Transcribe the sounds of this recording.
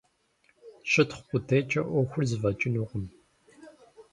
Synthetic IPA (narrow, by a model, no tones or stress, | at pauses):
ɕʼɪtχqʷʊtʰejt͡ʃʼɐʔʷɔxʷʊrzɨvɐt͡ʃʼɪnuʁʷʊm